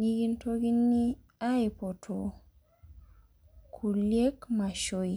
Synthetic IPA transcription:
ni˦ɡi˦nto˦ɡi˦nːi˦ | a˦jpɔ˨tʰo˨ | kʰu˨lje˦kma˨ʃo˦i˨

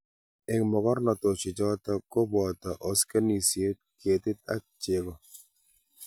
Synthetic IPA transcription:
e˨ŋmɔ˨kɔ˦ɾnɔ˨to˨t͡ʃi˨d͡ʒɔ˦ta˦ko˦bɔ˨ta˨ʔɔ˦ske˦ni˨sje˦t̚ke˨tɪ˦t̚a̰˦t͡ʃe˨kɔ˨

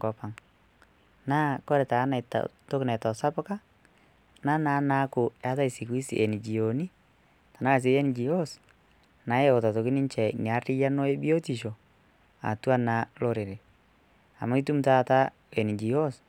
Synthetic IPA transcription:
ŋɡɔ˨pa˨ŋ | naː˦kɔ˦ɾɛ˨ta˨˦na˨ta̰to˦kna˨tɔ˨sa˦pʊ˦ka˦ | na˦na˨˦na˨˦kʊ˨a˨˦ta˦ɪ˨si˨kwi˦sḭʔe˨ni˨d͡ʒi˨o˨ni˦ | ta˨na˦˨s̬e˨˦jɛ˦nɪ˨d͡ʒi˨jo˦s | na˨˦je˦o˨ta˨to˨kɪ˦nɪ˦nt͡ʃɛ˨ni˨a˨˦rɪ˦ja˦no˦e˦bi˦o˦ti˨ʃo˨ | a̰˨tu˦a˦na˨lo˦ɾɪ˨ɾe˨ | a̰˨ma˦i˦tu˦mta˦˨ta˦ | e˨ni˨d͡ʒi˨jo˦s

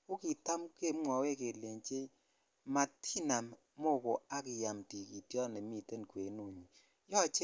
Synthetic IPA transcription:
u˦ki˨ta˦mke˦˨˦mʷɔ˨we˦˨ke˨le˨n˦t͡ʃe˦ | ma˨tʰi˦na˨m˦ | mo˦˨ko˨a˦ki˨ja˨m˨ti˨ki˨tjɔ˦˨ne˨˦mi˦˨te˦n˨kʷe˨˦nu˦˨ɲi˨˦ | jɔ˦˨t͡ʃe˦

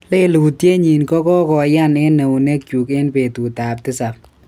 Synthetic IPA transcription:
le˦lu˨tje˦ɲi˨nkɔ˦kɔ˦kɔ˨ja˦nɪ˦nːɛ˨u˨ne˦kt͡ʃu˨ke˦npe˨tu˨taː˨ptɪ˦sa˨p

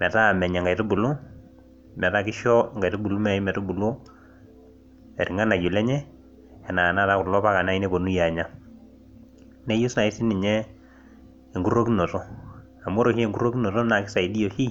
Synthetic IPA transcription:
mɛ˨ta˦˨mɛ˨ɲɛ˨ŋɡa˨jtɔ˦bu˨lu˦ | mɛ˨ta˦˨kɪ˦ʃɔ˦ŋɡa˨jtɔ˦bu˨lu˦mɛ˦˨i˦mɛ˨tɔ˦bu˨lo˦ | ɛ˨ɾi˨ŋa˦na˨jo˨lɛ˦ɲɛ˦ | ɛ˨na˨na˦˨ta˦ku˨lɔ˦pa˦ka˨na˦i˦ne˦po˨nu˦ja˨ɲa˦˨ | nɛ˦ju˦sna˨i˦si˦ni˨ɲɛ˦ | ɛ˨ŋɡu˦ɾo˦ki˦no˨to˦ | a˨mo˦ɾo˨hi˦e˨ŋɡu˦ɾo˦ki˦no˨to˦na˨ki˦sa˨i˨di˦jo˨hi˦

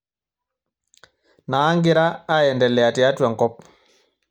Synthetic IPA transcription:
naː˨˦ŋɡɪ˦ɾaː˦jɛ˨ndɛ˨lɛ˨a˨tɪ˨a˦twa˨ŋkɔ˦p̚

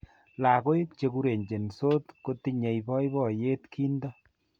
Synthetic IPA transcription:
la˨ɡo˦jt͡ʃe˨˧ku˦ɾe˨ɲd͡ʒe˨nso˦tko˦ti˦ɲe˨jbɔ˦jbɔ˦˨je˦tkʰi˦ndɔ˦

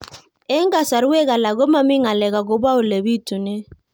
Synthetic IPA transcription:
e˦ŋɡa˨sa˨ɾwe˦ɣa˨la˨ɡo˦ma˦mi˦ŋa˨lɛ˨ɣa˨ɡo˨ba˦o˨lɛ˨βi˦tu˨ne˦

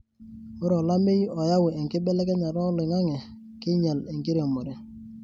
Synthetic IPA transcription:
o˦ɾɔ˨la˦mɪ˦jɔ˨ja˦wɪ˨e˨ŋkɪ˦bɛ˦lɛ˦kɛ˦na˨ɾɔ˦lɪ˨ŋa˦ŋɛ˨ | kɪ˦ɲa˨le˨ŋkɪ˦ɾe˨mo˨ɾe˨

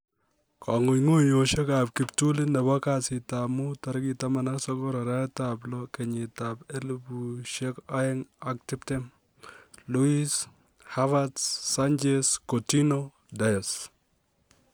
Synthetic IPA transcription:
kʰa˨ŋʊ˨jŋo˦ɲo˨ʃe˦ka˨p̚kɪ˨ptu˦lɪ˦nɛ˨ba˦kasɪ˨tamu˦ta˨ɾki˨ta˦ma˨na˦ksɔ˦kɔ˦ɾa˨ɾa˦tablɔ˦kɛ˨ɲɪ˨tapɛ˦lbu˨ʃe˦ka˦ɛ˦ŋak̚tɪ˦ptɛ˦m | lu˦is | ha˦va˦dsa˦nd͡ʒeskoti˦no˦ | dajɔs

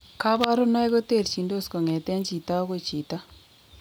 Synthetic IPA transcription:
ka˦ba˦ɾʊ˦na˦jko˦te˦˨ɾt͡ʃi˨ndo˦˨sko˨ŋɛ˨tɛ˦nt͡ʃi˨ta˦ko˨t͡ʃi˨ta˦

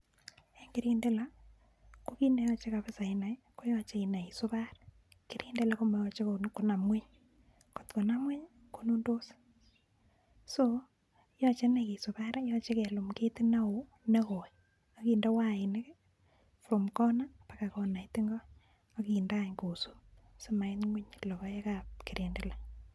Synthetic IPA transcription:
e˨ŋɡɪ˦ɾi˦nde˦la˦ | ko˦ki˦ne˦jɔ˦t͡ʃe˦ka˨βe˦sa˨ina˨jko˦jɔ˦t͡ʃe˦i˨na˨i˨so˦βa˦ɾ | kɪ˦ɾʔi˦nde˦la˦ko˦ma˨jɔ˦t͡ʃe˦ko˨n˦kːo˨na˨mwe˦ɲ | ko˨tko˨na˦mwe˦ɲ | ko˦nu˦ndo˦s | so | jɔ˦t͡ʃe˦na˨ki˨so˨ba˦ɾjɔ˦t͡ʃe˦kɛ˨lo˨mke˦ti˦na˦o˨ | ne˦ko˨j | a˨kiː˨nda˦wa˦˨ɪ˨ne˦k | fɾo˨mkɔ˦napaka˨ko˨na˨jti˦ŋɡɔː˦ | ki˨ndaɲko˨su˦soma˨ɪ˦nŋwi˦ɲlɔ˨kɔ˦e˦kapki˨ɾe˨nde˦˨la˦

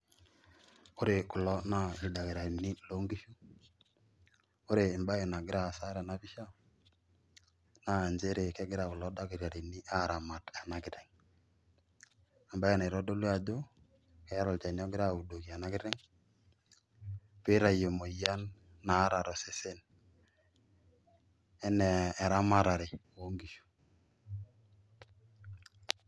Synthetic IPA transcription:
o˦ɾe˨kʊ˨lɔ˦na˦ɪ˨da˨ke˨ɾa˨ni˦lo˦ŋɡi˦ʃu˦ | o˦ɾeː˨mba˦e˨na˨ɡɪ˦ɾa˨sa˦ɾa˨na˦pi˦ʃa˦ | na˦˨nd͡ʒe˦ɾe˨kɛ˦ɡɪ˦ɾa˨kʊ˨lɔ˦da˦ki˨ɾja˨ɾe˨ni˦ʔa˦˨ɾa˨ma˨ta˨na˦kɪ˦ɾɛ˨ŋ | a˨mba˦a˦˨ne˨ɾɔ˦do˦le˦a˨d͡ʒo˦ | kɛ˦ɾɔ˨lt͡ʃa˨n˦ɔ˦ɡɪ˦ɾa˦˨u˨do˨ki˨a˨na˦kɪ˦ɾɛ˦ŋ | pe˦ɾa˨je˨mo˨ija˦nː | a˨˦ɾa˨ɾɔ˨se˦se˦n | ɛ˦nɛ˨ɾa˦ma˦ɾa˨ɾe˨ | o˦ŋɡi˨ʃu̥˨

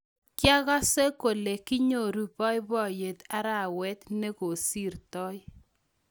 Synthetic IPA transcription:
kja˦ɣɔ˦se˦ko˨le˨ki˦ɲo˦˨ɾu˨pɔ˦jbɔ˦˨je˨ta˦ɾa˨wɛ˦t̪ne˦ko˨si˦˨ɾtɔ˦j

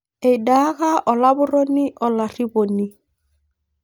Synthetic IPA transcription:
e˨i˨da˦ɣa˦ʔɔ˨la˦bʊ˦ro˦ni˦ʔɔ˨la˨ri˦bo˨ni˦

